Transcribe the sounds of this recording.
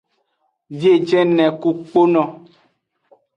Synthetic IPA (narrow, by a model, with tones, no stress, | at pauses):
vje˦˨d͡ʒɛ˦nɛ̃˨ku˨k͡po˦nɔ̃˨